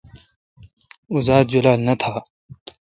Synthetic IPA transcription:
uzaːd̪̚d͡ʑulaːlnɐt̪ʰaː

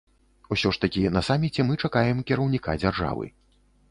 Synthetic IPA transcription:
usʲɔʂt̪akʲinɐsamʲːit͡sʲɛmɨt͡ʂakajɛmkʲɛɾɐwnʲikad͡zʲarʐa̰vɨ̰

